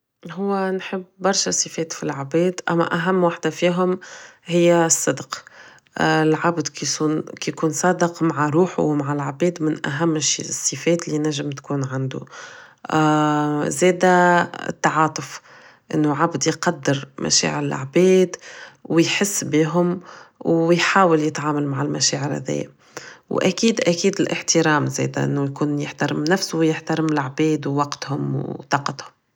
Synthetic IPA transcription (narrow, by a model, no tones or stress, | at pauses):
ɦʊwːænħɪbːɑɾˤʃɑsˤəfɛːt̪filʕabɛːd̪ʔæ̰mːæ̰ʔæɦæmːwaħd̪afiːɦʊmɦɪjːæsˤːɑd̪q | lʕabd̪kijkuːnsˤɑːd̪ɪqmaʕaɾuːħṵwmaʕalʕbɛːd̪mɪnʔæɦæmːʃsˤːifɛːt̪lːinæʒːɪmt̪kuːnʕand̪ṵ | zɛːd̪æ̰t̪ːɑʕɑːt̪ˤʊf | ʔɪ̰nːuʕabd̪ijqɑd̪ːəɾmʔæ̰ʃɛ̰ːʕɪɾɪlʔʕbɛːd̪wjħɪsːbiːɦʊmwjħaːwɪljɪt̪ʕaːmalmaʕalmæʃɛ̰ːʕɪɾhæ̰ðɛ̰jːæ̰ | wʔæ̰kiːd̪ʔækiːd̪ɪlʔɪħt̪əɾɑːmzɛ̰ːd̪æʔɪ̰nːujkuːnjɪħt̪aɾɪmnæfsʊjɪħt̪aɾɪmɪlʕbɛːd̪wwɑqt̪hʊmwt̪ˤɑːqɑt̪hʊm